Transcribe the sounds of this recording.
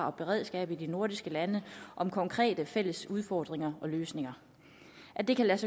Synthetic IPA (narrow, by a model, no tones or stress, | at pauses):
ɑ̈ɒ̽b̥e̝ʁeð̞̰ˠsɡ̥ɛ̰ːb̥id̥ino̝ɐd̥isɡ̥əlænəʔɒ̽mkʰɒ̽ŋkʰʁɛ̰ːd̥əfel̰əsuð̞ˠfɒːd̥ʁeŋɐɒ̽løːsne̝ŋɐ | ʔæd̥e̝kʰælæsə